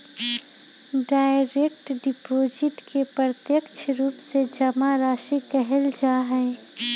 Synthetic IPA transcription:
ɖaːɪɾekʈɖɪpoːd͡ʒɪʈkepɾəɾət̪jəkt͡ʃʰɾuːpsed͡ʒɐmaɾaːʃikɛɦɛld͡ʒaːɦɛː

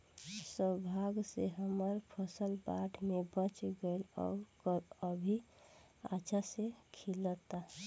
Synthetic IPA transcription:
səbʱaɡseɦəməɾpʰəsəlbaʈʰmebə̃t͡ʃɡəelɔ̰ːkəəbʱi | a̰t͡ʃʰasekʰilət̪a

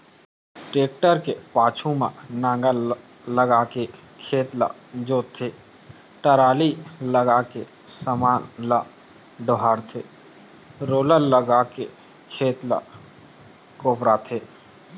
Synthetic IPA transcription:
ʈeːk̚ʈəɾkepaːt͡ʃʰumã̰nãːŋɡə | ləɡakekʰeːt̪la̰d͡ʒoːt̪ʰːe | ʈəɾaːliləɡake | səmaːnla | ɖəɦaːɾt̪ʰeː | ɾoːləɾləɡake | kʰeːt̪la̰ | koːpɾat̪ʰeː

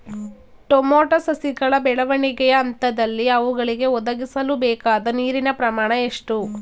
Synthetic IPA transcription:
ʈomoːʈɐsɐsiɡɐɭɐbɛɭɐʋɐɳiɡɛjɐːnt̪ɐd̪ɐlːiɐʋuɡɐɭiɡe̞ɔd̪ɐɡisɐlubɛːkaːd̪ɐniːɾinɐpɾɐmaːɳɐe̞ʂʈu

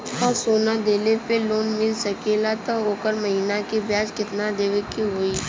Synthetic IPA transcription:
ɔːɾsoːnad̪eːlepeloːnmɪlsɐkeːlat̪əoːkəɾmɐɦiːnakebjaːd͡ʒkɪt̪nad̪eːʋəkiɦoːiː

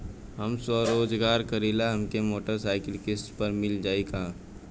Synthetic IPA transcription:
ɦɐmsəɾoːd͡ʒɡaːɾkɐɾiːlaɦɐmkemoːʈəɾsaːɪkɪlkɪsʈpɐɾmɪld͡ʒaːikaː

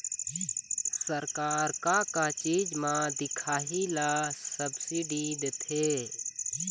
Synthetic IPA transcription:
səɾkaːɾkakat͡ʃiːd͡ʒmãd̪ɪkʰaːɦilaːsəbsiɖiːd̪t̪ʰeː

